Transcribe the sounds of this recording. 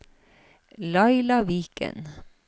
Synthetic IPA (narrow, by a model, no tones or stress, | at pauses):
lɑɪlɑʋiːkə̰n